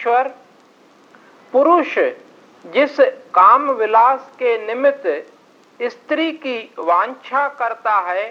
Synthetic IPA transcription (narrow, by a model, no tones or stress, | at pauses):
əɾ | pʊɾʊʃ | d͡ʒɪskaːmʋɪlaːskenɪmɪt̪ | ɪst̪ɾikiʋãːnt͡ʃʰakəɾt̪aɦɛː